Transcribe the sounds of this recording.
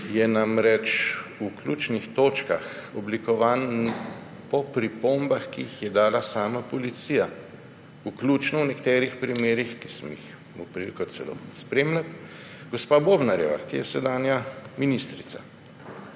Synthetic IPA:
jɛnamɾɛt͡ʃuklʲuːt͡ʃnixt̪oːt͡ʃka̰xɔblikɔʋaːn | pɔpɾipoːmbaxkiixjɛd̪aːlasaːmapɔlit̪siːja | ukluːt͡ʃnɔwnɛkt̪ɛːɾixpɾimeːɾixki̥smɔix | mupɾikɔt̪sɛlo̰ːspɾeːmlat̪ | ɡɔspaːboːbnaɾjɛ̰ʋa̰kijɛsɛd̪aːnjaminist̪ɾit̪sa̰

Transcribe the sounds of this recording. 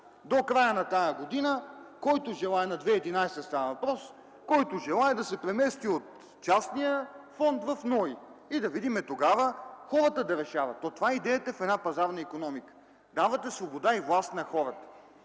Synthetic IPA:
d̪okɾajənɐt̪ajəɡod̪inəkɔjt̪ʊʒɛlˠaɛnɐd̪vɛid̪inajst̪əst̪anɐvɐpɾɔs | kɔjt̪ʊʒɛlˠaɛd̪ɐsɛpɾɛmɛst̪iot̪ | t͡ʃasnijəfɔnt̪vɐfnɔiid̪ɐvid̪imɛt̪oɡavəxɔɾət̪əd̪ɐɾɛʃavɐt̪ːɔt̪ovaɛid̪ɛjət̪əfɛd̪napɐzaɾnəikonɔmikə̥ | d̪avət̪ɛsvobod̪aivlˠast̪nɐxɔɾət̪ə̥

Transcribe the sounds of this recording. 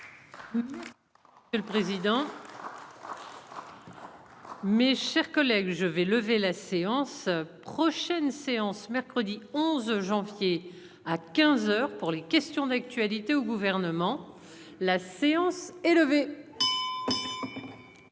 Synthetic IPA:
jəlpχezid̪ɑ̃ | meʃɛʁkɔlɛɡʒəvɛləvelaseɑ̃spχɔʃɛnseɑ̃smɛʁkχəd̪iɔ̃zʒɑ̃vje | akʲɛ̃zœʁpuʁlekʲɛst̪jɔ̃d̪ak̚t̪ɥalit̪eoɡuvɛʁnəmɑ̃ | laseɑ̃sɛləve

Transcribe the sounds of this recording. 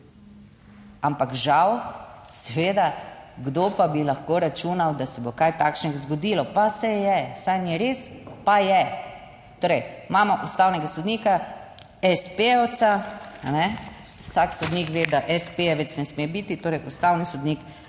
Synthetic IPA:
ampakʒaw | sɛʋeːd̪aɡd̪opabilaxkoːɾat͡ʃuːnawd̪asɛbokajt̪aːkʃnɛɡzɡɔd̪ilɔpasɛjɛsajniɾespajɛ | t̪oːɾɛjmaːmɔʔust̪aːwnɛɡasɔd̪niːka | ɛspeowt̪saanɛ | ʊsaksɔd̪nikʋed̪aʔɛspeɛʋɛt̪snɛsmebit̪it̪oːɾɛjʔust̪awnisɔd̪nik

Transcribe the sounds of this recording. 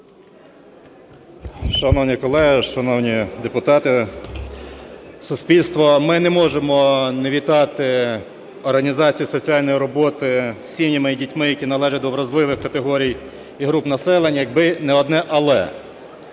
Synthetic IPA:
ʃɐnɔwnʲikɔlˠɛɦɪʃɐnɔwnʲid̪epʊt̪ɑt̪ɪ | sʊsʲpʲilʲst̪ʋɔmɪnɛmɔʒemɔneʋʲit̪ɑt̪ɪ | ɔrɦɐnʲizɑt͡sʲijisɔt͡sʲijɑlʲnɔjiɾɔbɔt̪ɪsʲimnʲimɪdʲitʲmɪjɐkʲinɐlˠɛʒɛd̪ɔʋɾɐzlˠɪʋɪxkɐt̪eɦɔɾʲij | iɦɾupnɐsɛlˠenʲjɐɡ̚bɪnɛɔd̪nɛʔɐlˠɛ̰

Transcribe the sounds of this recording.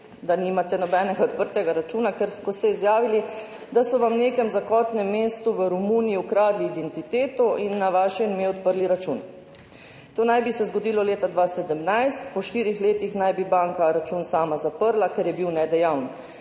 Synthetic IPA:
d̪animat̪ɛnɔbɛnɛɡaɔt̪pəɾt̪ɛɡaɾat͡ʃuːnakɛɾkɔst̪ɛizjaːʋili | d̪asɔʋamneːkɛmzakɔːt̪nɛmːeːst̪uʋəɾumuːniiukɾaːd̪liːd̪ɛnt̪it̪eːt̪ɔʔinːaʋaːʃɛnmeɔt̪̚pəɾliɾat͡ʃun | t̪oːnajbisɛzɡɔd̪ilɔleːt̪ad̪ʋasɛd̪əmnajst̪pɔʃt̪iːɾixleːt̪ixnajbibaːŋkaɾat͡ʃuːnsaːmazapəɾlakɛɾjɛbiwnɛd̪ɛjawn

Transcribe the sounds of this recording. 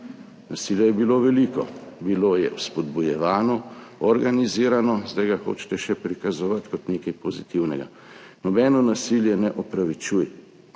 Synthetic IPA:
nasiljɛjɛbiloːʋɛliːkɔbiloːjɛwspɔd̪bujɛʋaːnɔɔɾɡaniziːɾanɔzd̪ajɡaxo̰ːt͡ʃt̪ɛʃɛpɾikazɔʋat̪kɔt̪neːkɐjpɔzit̪iwnɛɡa̰ | nɔbɛːnɔnasiljɛnɛʔɔpɾaʋit͡ʃujɛ

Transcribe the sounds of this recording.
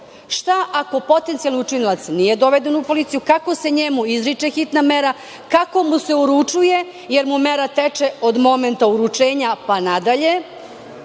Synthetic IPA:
ʃt̪aʔako̞po̞t̪ent̪ialniut͡ʃinilˠat̪snije̞d̪o̞ʋed̪enupo̞lit̪sijukako̞se̞ɲemuizɾit͡ʃexit̪nameɾa | kako̞muse̞uɾut͡ʂuje | jeɾmumeɾat̪et͡ʃeod̪mo̞ment̪auɾut͡ʃeːɲapanad̪aʎe̞

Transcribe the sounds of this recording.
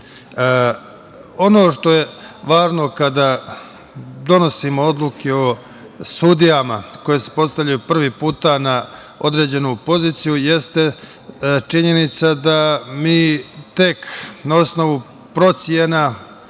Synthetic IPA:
o̞no̞ːʃt̪o̞je̞ʋaːʒno̞kad̪a | d̪o̞no̞simood̪lˠukeo̞ | sud̪ijamako̞jesepo̞t̪st̪aʋʎajupr̩ʋiːpuːt̪ana | o̞d̪ɾe̞ːd͡ʑe̞nupo̞ziːt̪sijuje̞st̪e | t͡ʃiɲe̞nit̪sad̪amiːt̪e̞knao̞sno̞ʋu | pɾo̞t̪sjena

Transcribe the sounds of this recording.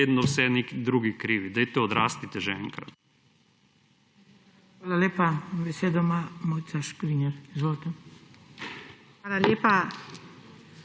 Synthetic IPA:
ed̪nɔwsɛnekid̪ɾuɡikɾiːʋid̪ɛjt̪ɛɔd̪ɾaːst̪it̪ɛʒɛɛ̰ŋkɾɐ̰t̪ | xʋaːlaleːpabeseːd̪ɔmamojt̪saʃkɾiɲɛɾizvʋolt̪ɛ | xalaleːpa

